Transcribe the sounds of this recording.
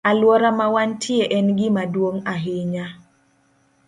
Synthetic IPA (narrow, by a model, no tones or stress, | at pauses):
alwɔɾamawantʰɪeʔɛnɡɪmadwoŋaɦɪɲa